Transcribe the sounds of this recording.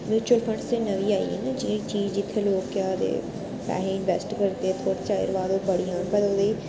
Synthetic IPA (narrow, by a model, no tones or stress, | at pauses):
mjuːt͡ʃuəlfʰə̃ɳɖseːnəʋiːaːḭɛ̰ːned͡ʒit͡ʃiːd͡ʒd͡ʒɪt̪ʰːeːloːkːaːd̪ḛː | pɛ̰ːɦeːɪnʋɛːsʈɡəɾt̪eːt̪ʰoːɽt͡ʃaːḛːɾʋaːd̪oːbəɽijãːnbəd̪oːd̪eː